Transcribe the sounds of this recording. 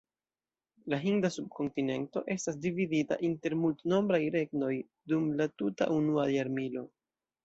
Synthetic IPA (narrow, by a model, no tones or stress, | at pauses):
laɦindasub̚ko̞ntine̞nto̞̰ʔe̞stas̬dividita̰ʔinte̞ɾmultno̞mbɾajɾe̞ɡno̞j | dumlatuta̰ʔunuajaɾmilo̞